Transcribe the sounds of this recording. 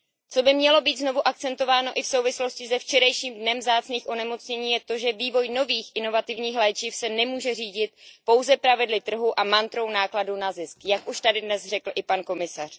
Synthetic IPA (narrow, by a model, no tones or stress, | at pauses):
t͡so̞bɪmɲɛlo̞biːt̪zno̞vuʔak̚t͡sɛnt̪o̞vaːno̞ʔɪfso̞wvɪslo̞scɪsɛft͡ʃɛɾajʃiːmdnɛmvzaːt͡sniːxʔo̞nɛmo̞t͡sɲɛɲiːjɛt̪o̞ʒɛviːvo̞jno̞viːxʔɪno̞vat̪ɪvɲiːxlɛːt͡ʃɪfsɛnɛmuːʒɛriːɟɪt̪̚po̞wzɛpɾavɪdlɪt̪r̩ɦuʔamant̪ɾo̞wnaːkladunazɪskjakʔuʃt̪adɪdnɛzr̝ɛkl̩ʔɪpanko̞mɪsar̝̥